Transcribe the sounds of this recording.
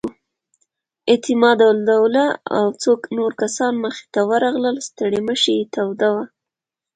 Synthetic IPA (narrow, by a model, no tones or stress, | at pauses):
et̪ɪmɑd̪awld̪awlaa̰wt͡soknoɾkasɑnməxe̥t̪awəɾɑɣləlst̪əɽeməʃejet̪awd̪awa